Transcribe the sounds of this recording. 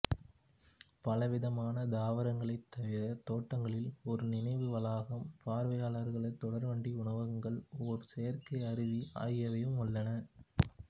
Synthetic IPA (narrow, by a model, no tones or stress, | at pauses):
pɐlɐʋɪðɐmaːnɐd̪aːʋɐɾɐŋɡɐɭɐɪt̪ːɐʋɪɾɐt̪oːʈːɐŋɡɐɭɪlɔɾɯnɪnɐɪʋɯʋɐlaːɣɐmpaːɾʋɐjaːɭɐɾɣɐɭɐɪt̪ːɔɽɐɾʋɐɳɖiʊɳɐʋɐŋɡɐɭɔɾɯsɛjɐɾkɐɪɐɾɪʋiʔa̰ːjɐʋɐjɯmʊɭːɐnɐ